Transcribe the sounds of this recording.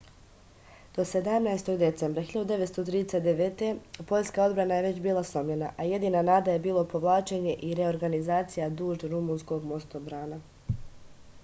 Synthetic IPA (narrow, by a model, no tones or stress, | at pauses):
d̪̥o̞se̞d̪amnajest̪o̞ɡd̪e̞t̪sembɾaxiʎad̪ud̪e̞ʋe̞t̪st̪ot̪ɾiːd̪eset̪d̪eʋeːt̪e̞po̞ʎskao̞d̪bɾanaje̞ʋe̞t͡ɕbiːlˠaslˠo̞mʎe̞naʔaje̞d̪iːnanaːd̪aje̞biːlˠo̞po̞ʋlˠaːt͡ʃe̞ɲe̞ʔiɾe̞o̞ɾɡanizaːt̪sijad̪uːʒd̪ɾumunsko̞ɡmo̞st̪obɾaːna